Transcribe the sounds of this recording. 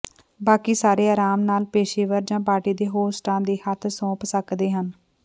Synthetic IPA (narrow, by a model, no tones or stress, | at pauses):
baːkiːsaːɾeːaːɾaːmnaːlpeːʃeːʋəɾd͡ʒãːpaːɾʈiːd̪eːɦoːsʈãːd̪iːhət̪ʰsõːpsəkd̪eːɦən